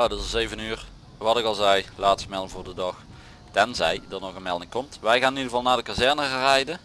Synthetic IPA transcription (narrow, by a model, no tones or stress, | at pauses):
jadɑtzejvənyːr | ʋɑtɪkɑlˠzɛjlaːtstəmɛlˠəvʊːrdədɑx | tɛnzɛjdərnɔɣənmɛlˠdɪŋkɔmtʋɛjxaːnɪnidəɣəvɑlˠnaːdəkazɛɹnərɛjdə